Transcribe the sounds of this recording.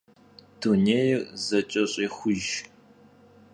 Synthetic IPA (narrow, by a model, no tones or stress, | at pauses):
d̥uneːjrzɐt͡ʃʼɐɕʼiːxʷʊʒ